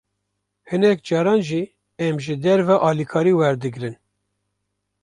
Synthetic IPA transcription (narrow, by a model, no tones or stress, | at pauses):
hɨnɛk̚d͡ʒɑːɾɑːnʒi | ɛmʒɨd̪ɛɾvɑʔɑːlikʰɑːɾiːwɛɾd̪ɨɡɾɨn